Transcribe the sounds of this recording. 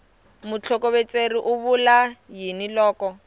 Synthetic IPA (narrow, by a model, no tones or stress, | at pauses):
mʊt͡ɬʰɔkoβet͡sʼeriʔʊβulajinilɔːkɔ